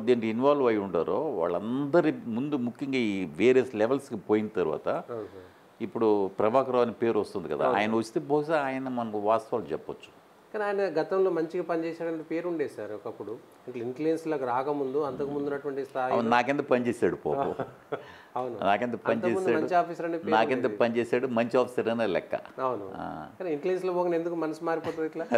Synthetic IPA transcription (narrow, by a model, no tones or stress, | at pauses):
d̪eːɳʈiinʋaːluʋɐjuɳʈaːɾoːʋa̰ːɭːɐnd̪ɐɾimund̪umukʰːjɐŋɡaːiːʋeːɾijɐslɛʋɐlskipoːjinɐt̪ɐɾuʋa̰ːt̪ɐ | ipːuɽupɾɐbaːkɾɐʋaːnipe̞ːɾɔst̪und̪ikɐd̪a̰a̰ːjɐnɐʋɐt͡ʃːi̥t̪eːbɔːs̬aːaːjɐnɐmɐnɐkuʋaːst̪ɐʋaːlut͡ʃɛpːɐt͡ʃːu̥ | kaːniaːjɐnɐɡɐt̪ɐmlo̞ːmɐɲt͡ʃiɡapɐnit͡ʃɛːsaːɽɐnt̪ɐpe̞ːɾuɳɖeːjsaːɾɔkɐpːuɽu | iɳʈlɐiɳʈlujenslaːkɾaːkɐmund̪uɐnt̪ɐkumund̪unːɐʈuʋɐɳʈist̪ʰaːjɐ̰unnaːkent̪ɐpɐnit͡ʃeːsaːɽupo̰ːo | ɐwnunaːkent̪ɐpɐɐnit̪ɐt͡ʃeːmund̪aːmɐɲt͡ʃiaːpʰiːsɐɾɐnepenaːkkent̪ɐpɐnit͡ʃeːsaːɽumɐɲt͡ʃiaːpʰisɐɾɐneːlɛ̰kːɐ̰ɐwunua̰ːkaːniiɳʈliens̬loːpoːɡɐnend̪ukumɐnɐsumaːɾipɔːt̪uiʈlaː